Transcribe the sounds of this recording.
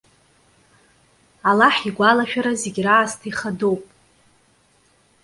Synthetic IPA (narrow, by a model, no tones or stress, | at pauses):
alaħiɡʷalaʃᶣaɾazeɡʲraːztʰiχadowpʼ